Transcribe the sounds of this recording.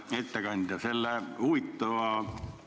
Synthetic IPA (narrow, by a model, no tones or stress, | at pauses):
et̪ːækɑniːt̪æselːæuit̪ːoɑːˑ